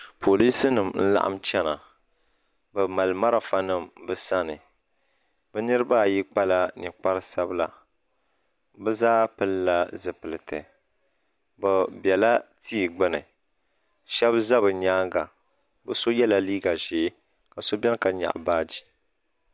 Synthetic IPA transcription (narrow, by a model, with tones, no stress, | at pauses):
pʰo˨li˦sɨ˦nɨ˨mn̩˦la̰˦ʔa̰˦mt͡ʃɛ˦na˨ | bɨ˨ma˨lma˦ɾa˨fa˦nɨ˦˨mbɨ˦sa˦nɨ˨ | bɨ˦nɨ˦ɾɨ˦ba˦˨ji˦k͡pa˦la˦nɪ˨k͡pa˦ɾɨ˦sa˦bla̰˨ | bɨ˦zaː˦pɨ˦lla˦zɨ˨pɨ˨lɨ˨tɨ̰˨ | bɛ˨bɛ˨la˦tiː˦˨ɡ͡bɨ˦nɨ˨ | ʃɛ˦bza˦βɨ˨ɲaː˦ɡa˨ | bɨ˦so˦jɛ˦la˨liː˦ɡa˨ʒeː˨˦ | ka˨so˦bɛ˦n˦ka˨ɲa̰˨ʔbaː˦d͡ʒi˦˨